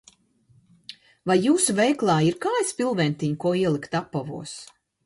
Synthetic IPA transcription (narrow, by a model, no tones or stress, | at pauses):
vajːuːsuvɛjklˠaːiɾkaːjsʲpʲilˠvɛnt̪iɲkuɔiɛlˠikt̪apːɔvṵɔs